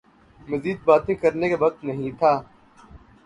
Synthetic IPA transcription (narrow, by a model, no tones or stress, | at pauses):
mɐziːd̪̚baːt̪ẽkɐɾnekaʋɐq̚t̪nɐɦĩt̪ʰaː